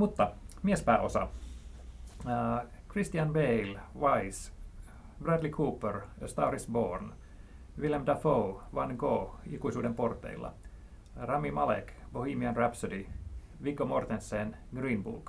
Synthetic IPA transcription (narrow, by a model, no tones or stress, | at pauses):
mut̪ːɑmiespæːʔo̞sɑ̰ | krist̪iɑnbeilʋɑis | bræd̪likʰuːpːørst̪ɑːrisboːrn | ʋilæmd̪ɑfouʋɑnɡoːikuisuːdemport̪ːḛilːɑ̰ | rɑmːimɑlekbohimiɑnræpsødi | ʋikːomort̪ensːeːn | ɡriːnbṵːlk